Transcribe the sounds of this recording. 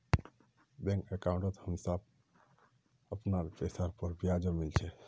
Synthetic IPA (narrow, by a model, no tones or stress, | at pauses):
bɛ̃ŋkekaũɳʈət̪həmsab | əpnaɾpesaɾpəɾbiad͡ʒəmilt͡ʃʰɛ